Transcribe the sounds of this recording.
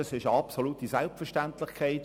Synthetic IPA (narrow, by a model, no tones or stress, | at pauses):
ɑsɪʃəɑpsoluːt̪isælpfɛəʃtæntlɪχkʰaɪt